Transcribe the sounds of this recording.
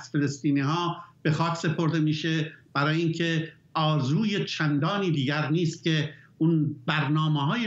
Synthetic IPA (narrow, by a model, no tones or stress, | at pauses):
z̥fe̞lest̪iːniːhɒːb̥e̞xɒːcse̞pʰo̞ɾd̪e̞miːʃeb̥æɾɒːjeincʰe̞ | ʔɒːzuːjet͡ʃʰænd̪ɒːniːd̪iːɟæɾniːst̪̚cʲʰe̞unbæɾnɒːmeɦɒːje